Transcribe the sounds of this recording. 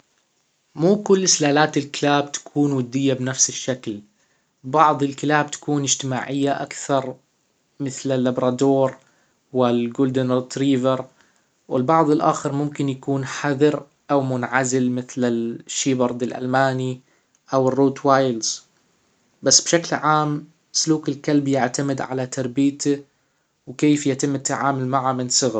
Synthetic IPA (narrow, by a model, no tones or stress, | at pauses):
muːkʊlːɪslaːlaːt̪ɪlkɪlaːb̚t̪ḁkʰuːnwad̪ːɪjːabnafsɪʃːakl | bɑʕðˤɪlkɪlaːb̚t̪ḁkuːnɪd͡ʒt̪ɪma̰ːʕɪjːaʔa̰kθɑɾˤ | mɪθlɪlːabɾˤɑːd̪oːɾ | wɪlɡʊːld̪ɪnɾt̪ɾiːvɪɾ | wɪlbɑʕðˤɪlʔaːxɪɾmʊmkɪnjakuːnħaðɪɾ | ʔawmʊnʕazɪlmɪθlɪlʃːiːbɑɾˤd̪ˤɪlʔa̰lmaːni | ʔawɪrːuːt̪waːjlz̥ | basːbʃaklʕaːm | sʊluːkɪlkalbjɪʕt̪amɪd̪ʕa̰lat̪ɑɾˤbiːt̪ɪ | wkeːfjat̪ɪmːɪt̪ːaʕaːmʊlmaʕamɪnsˤɨɣɾˤ